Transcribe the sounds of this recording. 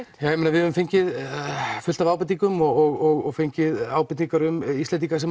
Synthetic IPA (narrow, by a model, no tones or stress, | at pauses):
jaːwjɛmenavɪðɛvʏmfejɲcɪðfʏlt̪avaːwpɪt̪iŋkʏmɔɔɣɔɣɔɣfejɲcɪðaːwpɪt̪niŋkaɾʏmist̪ɛnt̪ikas̬ɛ